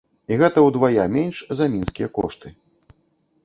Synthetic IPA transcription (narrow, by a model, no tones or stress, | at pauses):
iɣɛt̪ɐwd̪vajamʲenʲʂzɐmʲinskʲijɛkɔ̰ʂt̪ɨ